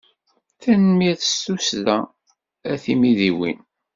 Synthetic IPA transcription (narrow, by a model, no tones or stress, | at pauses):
θænmiæθə̥susðæ | æθimiðiwḭn